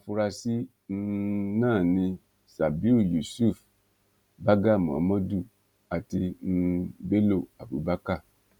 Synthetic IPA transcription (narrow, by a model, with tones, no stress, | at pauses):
a˨fu˧ɾa˧si˦ | n̩˦nãː˦˨nĩ˧ | sa˨bi˦u˦˨ju˨su˦˨f | ba˦ɡa˦˨mɔ̰̃˨˦mɔ̃˦du˦˨ | a˨ti˧n̩˦˧be˦lo˦˨a˨bṵ˨˦ba˦ka˦˨